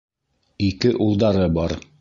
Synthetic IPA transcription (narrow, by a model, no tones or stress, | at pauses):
ikɘʔulˠd̪ɑɾɤbɑɾ